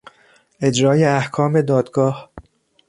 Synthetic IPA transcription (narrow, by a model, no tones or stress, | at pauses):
ʔe̞d͡ʒɾɒːjeæhkʰɒːme̞d̪ɒːd̪ɡɒːh